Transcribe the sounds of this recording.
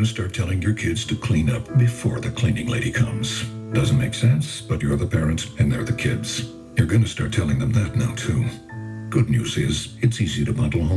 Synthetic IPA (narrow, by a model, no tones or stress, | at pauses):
nɨstɑɹtʰɛlˠɪ̃ŋjə˞kʰɪdz̥tʰɨkʰl̥ĩnʌp̚b̥ɨfɔ̰ɹðɨkʰl̥ĩnɪ̃ŋleɪɾikʰʌ̰̃mz̥d̥ʌz̃n̩meɪksɛ̃nsb̥ʌt͡ʃəðəpʰɛɹɨ̃ntsɨ̃nðə̰˞ðɨkʰɪdz̥ | jə˞ɡʌnɨstɑ̰ɹtʰɛlˠɪ̃ŋðɨ̃mðɨtⁿnaʊtʰʉ | ɡ̥ʊdⁿnjʉ̰zɪzɨtsiziɾɨbʌ̃ndˡl̩ˠõʊ̃